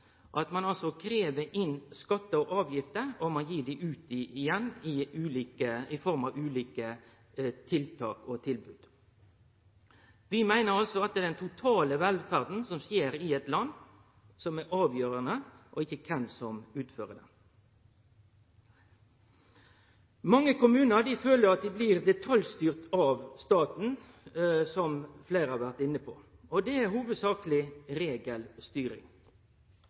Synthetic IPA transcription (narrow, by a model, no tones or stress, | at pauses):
ʔɑt̪mɑnɑlsɔkʰɾeːʋəʔɪnskɑt̪ːəɔʔɑːʋjɪft̪əɾɔmɑnjiːɖ̪ɪʔʉːt̪̚d̪iɪjɛnːɪʉːliːkəɪfɔɾmɑʋʉːliːkə | t̪ʰɪlt̪ʰɑ̰ːkɔt̪ʰɪlbʉːd̪̥ | ʋɪmæɪnəɾɑlsɔɑt̪̚d̪ɛːd̪ɛnt̪ʰʊt̪ʰɑːləʋɛlfæʁd̪n̩sɔmsjeːɾɪɛt̪lɑnː | sɔmæʔɑːʋjøːɾənəʔɔɪçːəkʰɛnsɔmʉːt̪føːʁəd̪ɛ̰n | mɑŋːəkʊmʉːnəʁɖ̪ɪføːləɾɑt̪̚d̪ɪbliʁd̪ɛt̪ʰɑljst̪yːʁt̪ɑʋst̪ɑːt̪n̩ | sɔmfleɪɾhɑːʁʋæʁt̪ɪnːəpʰo̰ | ɔd̪ɛæɦuːʋəd̪sɑːkəlɪʁeːɡəlst̪yːɾɪ̰ŋ